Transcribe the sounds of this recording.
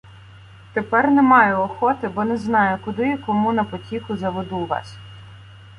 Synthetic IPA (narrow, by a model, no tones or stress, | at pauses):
t̪epɛrnɛmɑjʊɔxɔt̪ɪbɔnɛznɑjʊkʊd̪ɪkɔmunɐpɔtʲikʊzɐʋed̪uʋɑ̰sʲ